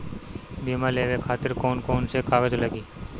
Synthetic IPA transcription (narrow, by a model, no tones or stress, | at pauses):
bimaleːʋekʰaːt̪ɪɾkoːnkoːnsekʰaːɡəd͡ʒləɡiː